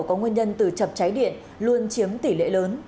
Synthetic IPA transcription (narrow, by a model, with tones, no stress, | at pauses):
kɔ˨˦ŋwə˧ɲə˧nt̪ɨ˨˩t͡ɕə˨˩p̚t͡ɕa˨˦jɗḭ˧˨ən | lu˧ənt͡ɕi˨˦əmt̪i˧˩lḛ˧˥˨ləː˨˦n